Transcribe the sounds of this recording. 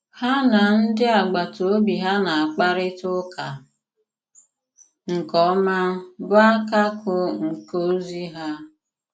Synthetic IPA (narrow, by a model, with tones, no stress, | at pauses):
ha˦na˨n̩˦dɪ˦a˨ɡ͡ba˨to˨o˦bi˨ɦa˦na˨a˨k͡pa˦ɾɪ˦tʊ˦kʰa˨ | ŋ̩˨kɔ˦ma˦bʊ˦a˦ka˦kʊ˨ŋ̩˨ko˦zi˦ɦa˦